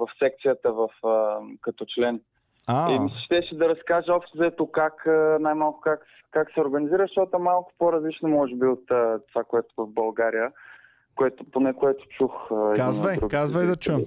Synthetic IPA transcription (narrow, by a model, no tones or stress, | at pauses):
vɐfsɛk̚t̪sijət̪əvɐfəkɐt̪ɔt͡ʃlɛn | aimislʲɛ̥ʃt̪ɛʃɛd̪ɐɾɐskaʒəɔpʃt̪ozɐɛt̪okakənajmalˠkʊ̥kak | kaksɛoɾɡɐniziɾəʃt̪ɔt̪oɛmalˠkʊ̥poɾɐzlit͡ʃnomɔʒɛbiot̪ət̪ːovakoɛt̪ʊ̥vɐvbɐlˠɡaɾijə | koɛt̪ʊponɛkoɛt̪ʊ̥t͡ʃuxɛaizvəjd̪ɾuɡʲkazvəjd̪ɐt͡ʃuɛ